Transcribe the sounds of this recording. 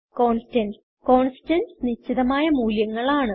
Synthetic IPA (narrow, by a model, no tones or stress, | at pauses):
ko̞ːnstɐn | ko̞ːnstɐnsniɕːiðɐmaːjɐmuːljɐŋːɐɭaːɳɨ